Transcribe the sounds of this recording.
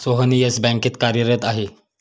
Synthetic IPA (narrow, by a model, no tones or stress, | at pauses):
soɦənijesbɛ̃ŋkiːt̪kaɾjəɾət̪aɦe